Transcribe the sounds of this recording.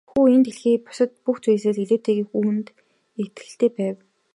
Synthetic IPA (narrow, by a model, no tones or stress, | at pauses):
xuːent̪eɮxiːpʊ̥sə̆t̪̚puxt͡sujseːɮiɮeːt̪ʰeːɣiːxuːnt̪ | et̪ɡɘ̆ɬt̪eːpæːw